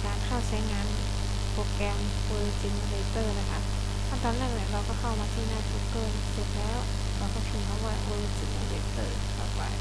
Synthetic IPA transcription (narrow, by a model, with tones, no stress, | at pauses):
kaː˧nkʰa˥˩wt͡ɕʰa˦˥jŋaː˧n | po˨˩t̚kɛ˧m | wɤː˧t͡ɕi˧ŋle˧˥t̪ɤː˧˩na˦˥kʰa˦˥ʔ | pʰaː˥˩t̪ɔː˧nlɛː˥˩ŋni˧˥˩ɾa˧wkɔː˥˩kʰa˥˩wmaː˧t̪ʰiː˥˩naː˧˩t̪ʰu˦˥kːɤː˧˩nsu˨˩t̪̚lɛː˦˥w | ɾa˧wkɔː˥˩pʰiː˧˩mʰa˧˩waː˧˩wɤː˧t͡ɕi˧˩ŋa˧le˧˩t̪ɤː˧˩ | t̪ɔ̰ː˨˩pa̰˧j